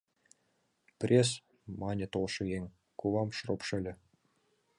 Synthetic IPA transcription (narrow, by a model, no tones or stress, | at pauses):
pʲrʲes | mɑnʲɘ̆t̪olˠʃɤ̆jeŋʲ | kuʋɑmʃropʃɘ̆lʲɘ̆